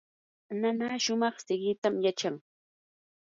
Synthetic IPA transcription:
nanaːʃʊmɑχsɪɢɪt̪amjat͡ʃaŋ

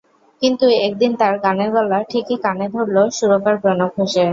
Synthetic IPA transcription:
kint̪uek̚d̪int̪aɾɡaneɾbɔlaʈʰikikaned̪ʱoɾloʃuɾokaɾkɾonokʰoʃe

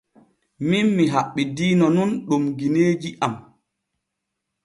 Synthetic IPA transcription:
minmiɦaɓːidiːnɔnunɗumɡineːd͡ʒiʔam

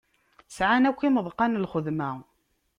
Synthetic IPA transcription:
sʕanækʷːiməðˤqɑnlχəðmæ

